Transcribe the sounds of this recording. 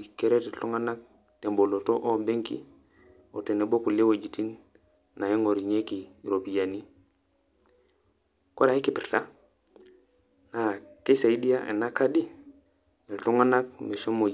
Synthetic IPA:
ke˦ɾe˦te˨ɬu˦ŋa˦na˦k̚ | te˨mbo˨lo˨to˦ʔo˦be˦ŋkḭ˦ | o˨te˨ne˨bo˦ku˨le˦wo˨d͡ʒi˨ti˦n | na˨ji˦ŋo˨ɾi˨ɲe˦ki˨ɾo˨pi˨ja˨ni˦ | ko˦ɾa˨hi˦ki˨pi˨ɾta˦ | na˨ke˦sa˨i˦di˦ja˦ʔḛ˨na˦ka˦di˦ | e˨ɬu˦ŋa˦na˦k̚me˨so˦mo˨

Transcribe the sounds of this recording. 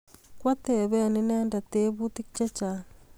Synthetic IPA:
kwa˦t̪ɛ˨βɛ˦˨ni˦nɛː˦nda˨t̪e˦βu˦t̪i˦kt͡ʃa˦t͡ʃa˨

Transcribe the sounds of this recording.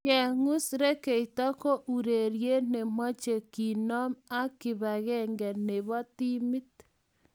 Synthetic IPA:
ke˨ŋu˦sɾe˦ke˨i˨ta˦ko˦ʔu˨ɾe˨ɾje˦ne˨mwa˦t͡ʃe˨ki˨nɔ˦ma˦ki˨βa˨ɣɛ˦ŋɡe˨ne˨βɔ˦ti˦mi˦t

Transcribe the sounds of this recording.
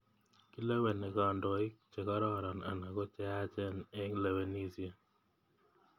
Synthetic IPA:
ki˦la˦wɛ˨nɛ˨ka˨ndɔ˨ɪ˦kt͡ʃɛ˨ka˦ɾɔ˦˨ɾɔ˨na̰˨na˨kɔ˦t͡ʃɛ˦a˦t͡ʃɛ˦nɛ˦ŋla˨we˦ni˦sia˦˨

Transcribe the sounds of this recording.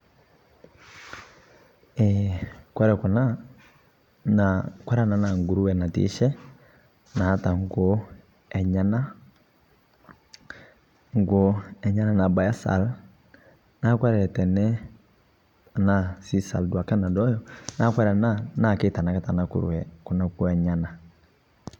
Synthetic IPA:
ɛ˨kwɛ˦ɾɛ˨kɔ˨na˦ | na˨kwɛ˦ɾɛ˦˨na˨˦na˨ŋ˨ɡu˨ɾu˦wɛ˨na˨tḭ˦ʃɛ˦ | na˨ha˦ta˨ŋ̩˦ɡo˦ | ɛ˨ɲa˨na˦ | ŋ˦˨ɡo˦ɛ˨ɲa˦na˨na˨ba˨ja˦sa̰˨l | na˦kwɛ˦ɾɛ˨ɛ˨tɛ˨nɛ˦˨ | na˨si˦sa̰˨ldwa˨ka˦na˨dɔ˦jɔ˨na˦kwɛ˦ɾa˨na˦na˨kɪ˦ta˨na˨ka˦ta˨na˨kṵ˨ɾṵ˨ɛ˨ku˨˦na˦˨kɔ˦ɛ˨ɲa˦na˨

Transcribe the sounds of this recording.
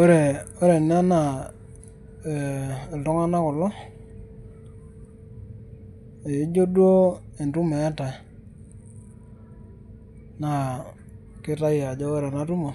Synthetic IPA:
o˦ɾe˨o˦ɾe˨na˦na˨ | ltɔ˦ŋa˦na˦kɔ˨lɔ˦ | e˨i˦d͡ʒo˦dwo˦e˨ntu˦me˨a˦ta˨ | na˨ | kɪ˦ta˦ja˨d͡ʒo˦o˦ɾe˨na˦tu˦mo˨

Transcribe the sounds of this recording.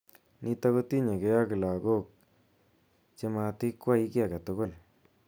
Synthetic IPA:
nʔi˧ta˦ko˦ti˦ɲe˨ke˦ja˦kɪ˨la˨ɡo˦k̚ | t͡ʃe˦ma˧ti˦kwa˦i˦kja˨ka˨to˦ɡo˦l

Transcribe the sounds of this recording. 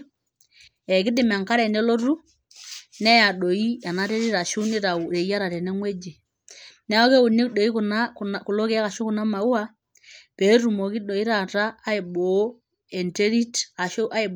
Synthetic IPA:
ɛ˨k̬i˦di˨m˨a˨ŋka˦ɾɛ˨nɛ˦lɔ˦ɾu˦ | nɛ˦ja˨ɗɔ˨i˦ja˨na˦tɛ˦ɾi˦ɾa˨ʃu˦ni˦ɾa˨u˨ɾɛ˨i˦a˦ɾa˨ɾɛ˨nɛ˦ŋwɛ˦d͡ʒe˨ | nɛ˦ɔ˦kɛ˦u˨ni˦ɗɔ˨i˦ku˨na˦ku˨lɔ˦kɛ˦a˦ka˨ʃɔ˦ku˨na˦ma˨u˦a˦ | pɛ˨˦ɾu˨mɔ˨ki˦ɗɔ˨i˦ɾa˨ɾaː˦i˨ɓɔ˨˦ | ɛ˨ntɛ˦ɾi˦ta˨ʃɔ˦ʔa˦i˨ɓ

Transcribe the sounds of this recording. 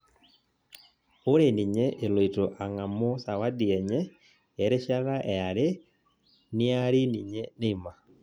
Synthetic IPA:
o˦ɾe˨ni˨ɲɛ˦ʔe˨lo˨ito˨ʔa˨ŋa˨mo˦sa˨wa˦di˨ɛ˨ɲɛ˦ | ɛ˨ɾe˦ʃa˦ɾa˦ʔɛ˨a˨ɾe˦ | nɪ˦a˦ɾi˦ni˨ɲɛ˦ne˦i˨ma˨

